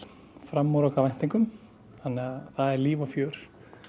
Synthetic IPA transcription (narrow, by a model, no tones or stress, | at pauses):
fɾamːɔɾɔkavajn̥t̪iŋkʏm | θanːɛɣaθaðɛɾliːvɔfjœːɾ̥